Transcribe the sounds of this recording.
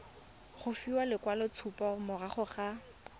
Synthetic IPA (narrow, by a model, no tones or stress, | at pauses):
χʊfiwalɪkwalɔt͡sʰupɔmʊraχʊχa